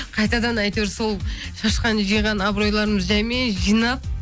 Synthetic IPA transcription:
qʰɑjt̪ɑd̪ɑnɑjt̪eɾso̞lˠʃɑʃqɑnʒijʁɑnɑbɾo̞jlˠɑɾəməzʒæjmeʒijnɑp̚

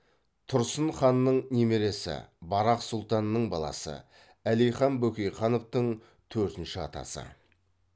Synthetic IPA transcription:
t̪ʰʊɾsənχɑnːəɴneme̞ɾe̞sɪ̰bɑɾɑqsʊlˠt̪ɑnːəɴbɑlˠɑ̰sə̰ | ælijχɑnbɵkʲejχɑno̞ft̪əɴ | t̪ʰɵɾt̪ɪnʃɪɑ̰t̪ɑ̰sə̰

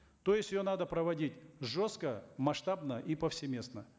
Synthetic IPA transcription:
t̪ojɪsʲtʲɪjonad̪əpɾəvɐdʲitʲʐoskəmɐʂt̪abnəʔipəfsʲɪmʲe̞snə

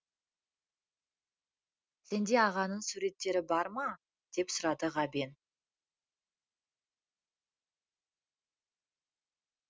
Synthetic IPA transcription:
se̞nd̪e̞ɑʁɑnəɴsuɾe̞t̪ːe̞ɾɪbɑɾmɑ | d̪̥e̞psʊɾɑd̪əʁɑbe̞n

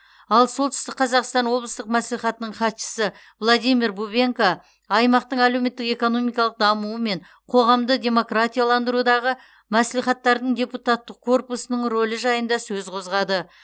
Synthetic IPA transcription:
ɑlˠsolˠt̪ʏ̥st̪ɪkqʰɑzɑqst̪ɑnwo̞blˠəst̪əqmæsliχɑt̪ənəɴχɑt̪ʃə̥sə | vlˠad̪ijmiɾbubʲe̞ŋka | ɑjmɑqt̪əɴælewme̞t̪ːɪke̞ko̞no̞mijkɑlˠəq̚d̪ɑmuwəme̞ɴ | qʰo̞ʁɑmd̪ədʲe̞mo̞krat̪ʲijalˠɑnd̪əɾud̪ɑʁə | mæsliχɑt̪ːɑɾd̪əɴd̪ʲe̞put̪at̪ːəq̚kʰːo̞rpusənəɴro̞lʲəʒɑjənd̪ɑsɵzqʰo̞zʁɑd̪ə

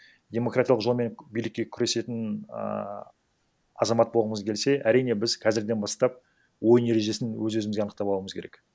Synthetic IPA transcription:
d̪ʲe̞mo̞krat̪ʲjlˠqʒo̞lˠme̞ŋbijlɪkʲːe̞kʲʰʏɾe̞se̞t̪ɪn̰ | ɑzɑmɑt̪̚bo̞lˠʁəməzkʲʰe̞lse̞ʔæɾijne̞bɪzqʰɑzɪɾd̪e̞nbɑst̪ɑp̚ | wo̞jne̞ɾeʒe̞sɪnwɵzwɵzɪmɪzɡʲeɑnəqt̪ɑpɑlˠuwəməzkʲʰe̞ɾek

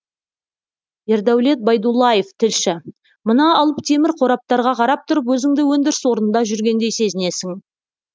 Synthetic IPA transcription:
e̞ɾd̪æwle̞t̪̚bɑjd̪ulˠːɑjeft̪ʰɪlʃɪ | mənɑːlˠəpt̪ʰe̞mɪɾqʰo̞ɾɑp̚t̪ɑɾʁɑqʰɑɾɑp̚t̪ʰʊɾəp̬wɵzɪŋd̪ɪwɵnd̪ɪɾɪswo̞ɾnənd̪ɑʒʏɾɡʲe̞nd̪e̞jse̞zɪne̞sɪŋ

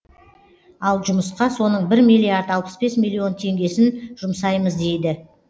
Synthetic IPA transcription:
ɑlˠʒʊməsqɑso̞nəɴbɪɾmijlʲˠːiaɾd̪ɑlˠpə̥sbe̞smʲilʲːio̞nt̪ʰe̞ŋɡʲe̞sɪnʒ̥ʊmsɑjməzd̪e̞jd̪ɪ

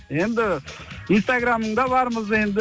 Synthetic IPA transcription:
e̞nd̪ɪinst̪aɡɾamːəɴd̪ɑbɑɾməze̞nd̪

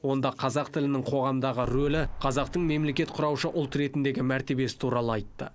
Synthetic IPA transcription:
wo̞nd̪ɑqʰɑzɑqt̪ʰɪlɪnɪŋqʰo̞ʁɑmd̪ɑʁəɾolɪqʰɑzɑqt̪əɴme̞mle̞kʲe̞t̪qʰʊɾɑwʃəʔʊlˠt̪ɾe̞t̪ɪnd̪e̞ɡʲɪmæɾt̪e̞be̞sɪ̥t̪ʰuɾɑlˠəɑjt̪ːə̰

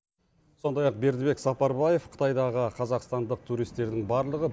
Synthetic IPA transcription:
so̞nd̪ɑjɑq̚be̞ɾd̪ɪbe̞ksɑpɑɾbɑje̞fqʰə̥t̪ɑjd̪ɑʁəqʰɑzɑqst̪ɑnd̪əq̚t̪ʰuɾijst̪e̞ɾd̪ɪŋbɑɾlˠəʁə

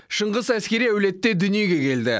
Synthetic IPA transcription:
ʃəɴʁəzæskʲe̞ɾijæwle̞t̪ːe̞d̪ʏnije̞ɡʲe̞kʲʰe̞ld̪ɪ̰

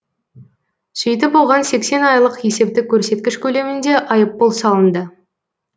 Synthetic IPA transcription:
ʒ̥ejt̪̬ɪbolˠʁɑnse̞kse̞nɑjlˠəqje̞se̞p̚t̪ɪkʲʰːɵɾse̞t̪̚kʲɪʃkʲʰɵle̞mɪnd̪e̞ʔɑjəp̚ːəlˠsɑlˠənd̪ə

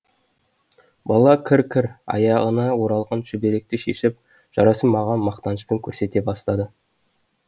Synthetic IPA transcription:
bɑlˠɑkʲʰɪɾkʲʰɪɾɑ̰jɑʁənɑwo̞ɾɑlˠʁɑnʒʏbe̞ɾe̞k̚t̪eʃḛʃɪp̚ | ʒ̥ɑ̰ɾɑsəmɑʁɑnmɑqt̪ɑnəspeŋkʲʰɵɾse̞t̪e̞bɑst̪ɑd̪ə

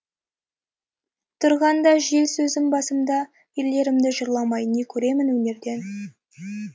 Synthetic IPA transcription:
t̪ʰʊɾʁɑnd̪ɑʒe̞lsɵzɪmbɑsəmd̪ɑ | jele̞ɾɪmd̪ɪʒəɾlˠɑmɑjnekʲʰɵɾe̞mɪnwɵne̞ɾd̪e̞n

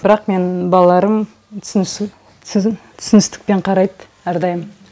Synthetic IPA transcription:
bɪɾɑqme̞nbɑlˠɑlˠɑɾəm | t | t̪ʰʏ̥sɪnɪst̪ɪ̥k̚pe̞ɴqʰɑɾɑjt̪ | æɾd̪ɑjəm

